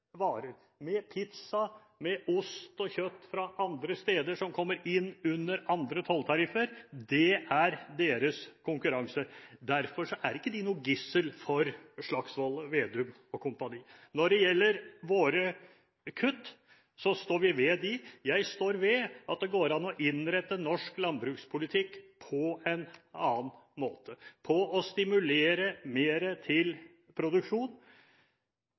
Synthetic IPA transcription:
ʋɑːɾəɾ | mɛpʰɪt̪sɑ | mɛʔʊst̪ɔçœt̪ːfɾɑʔɑnd̪ɾəst̪eːd̪əʂɔmkʰɔmːəɾɪnːʉnːəɾɑnd̪ɾət̪ʰɔlt̪ʰɑɾɪfəɾd̪ɛæɾd̪eːɾəskʰʊŋkʉɾɑŋsəd̪æɾfɔʂɔʔæɾɪkːəd̪ɪnuːəɡɪsəlfɔɾʂɭɑksʋɔlːəʋeːd̪ʉm | ɔkʰʊmpɑniːnɔɖɛjɛlːəɾʋoːɾə | kʰʉt̪ː | sɔst̪oːɾʋɪʋɛd̪ɪjæɪst̪oːɾʋɛʔɑt̪̚d̪ɛɡoːɾɑnːɔʔɪnɾɛt̪ːənɔʂklɑnbɾʉːkspʰʊlɪt̪ʰɪkːpʰɔɛnɑːnmoːt̪ʰəpʰɔɔst̪ɪmʉleːɾəmeːɾət̪ʰɪl | pʰɾʊd̪ʉkʂuːn

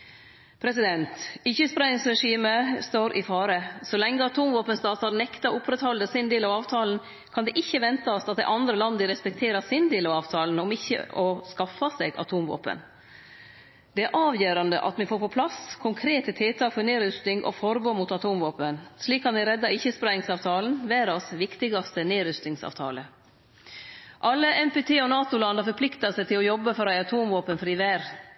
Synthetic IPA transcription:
pʰɾɛsɪd̪ɛnt̪ɪçːəspɾɑɪŋsɾɛʂiːməst̪oːɾʔɪfɑːɾəsɔlɛŋːəɑt̪ʰuːmʋoːpənst̪ɑːt̪ɑɾnɛkt̪ɑʔʊpʰɾɛt̪hɔld̪əsɪnd̪eːlɑʋɑːʋt̪ʰɑːln̩ | kʰɑnd̪ɛʔɪçːəʋɛnt̪ɑɔsɑt̪̚d̪ɛ̰ɪʔɑnd̪ɾəlɑnd̪əɾɛspɛk̚t̪ʰeːɾɑsɪnd̪eːlɑʋɑːʋt̪ʰɑːln̩ɔmɪçːə̰ʔɔskɑfːɑsɛːɡɑ̰t̪ʰuːmʋo̰ːpə̰n | d̪ɛæɾʔɑːʋjøːɾɑnd̪ə̰ʔɑ̰t̪mɛnfoːɾpɔpʰlɑskʰʊŋkʰɾeːt̪ət̪ʰɪlt̪ʰɑːkfɔɾneːɾʏst̪ɪŋʔɔ̰fɔɾboːmut̪ɑt̪ʰuːmʋoːpənʂliːkʰːɑnæɪɾɛd̪ːɑɪçːəspɾɛɪŋsɑːʋt̪ʰɑːln̩ʋæːɾɑsʋɪkt̪ɪɡɑst̪əneːɾʏst̪ɪŋsɑ̰ʋt̪ʰɑ̰ːlə | ʔɑlːəʔɛmpɛt̪ʰeːɔnɑːt̪ʊlɑnd̪əɾfɔɾpʰlɪkt̪ɑsɛɪt̪ʰɪlɔjɔbːəfɔɾæɪɑt̪ʰuːmʋoːpənfɾiːʋæːɾ

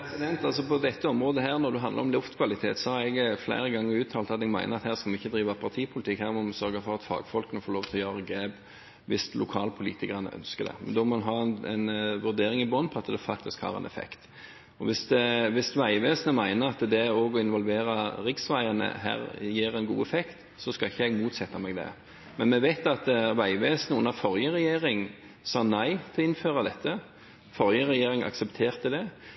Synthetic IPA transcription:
ɛsɪd̪ɛnt̪ɑlsɔpʰɔd̪ɛt̪ːəɔmʁoːd̪əɦæːɾnɔɾd̪ʉɦɑnd̪lə̰ɾɔmlʊft̪kʰʋɑlɪt̪ʰḛːt̪sɔhɑɾɛɡflæ̰ɪɾəɡɑŋːəɾʉːt̪ʰɑːlt̪ɑt̪ɛɡmæ̰ɪnəɾɑt̪hæːʁskɑlmɪçːəd̪ɾiːʋɑpʰɑɾt̪ʰiːpʰʊlɪt̪ʰɪkhæːʁmɔmɑsœɾɡəfɔɾɑt̪fɑ̰ːɡfɔlkənəfoːɾloːʋt̪ʰɪlɔjøːʁəɡɾeːb | ʋɪslʊkʰɑːlpʰʊliːt̪ɪkəɑʁnə̰ʔœ̰nskəd̪ɛ̰mɛ̰nd̪ɔmɔnɦɑːɛnɛnʋʉɾd̪eːɾɪŋɪbɔnpʰɔɑt̪d̪ɛfɑk̚t̪ɪskhɑ̰ːʁɛ̰nɛ̰fɛ̰kt̪ | ɔʋɪsd̪ɛʋɪsʋæɪʋeːsnəmæɪnəɾɑt̪d̪ɛoːɡɔɪnʋɔlʋeːɾɑʁɪksʋæɪɑnə̰ɦæ̰ːʁjeːɾɛnɡuːɛfɛkt̪ | sɔskɑlɪçːəɛɡmuːt̪sɛt̪ːɑmɛɡd̪ɛ̰ | mɛnmɛʋæɪt̪ɑt̪ʋæɪʋeːsnəʊnːəfɔʁjəʁɛjeːʁɪŋ | sɑːnæɪt̪ʰɛlɔɪnføːʁɑd̪ɛt̪ʰːə | fɔɾjəʁɛjeːɾɪŋʔɑ̰ksɛpt̪ʰeːʁt̪əd̪ɛ

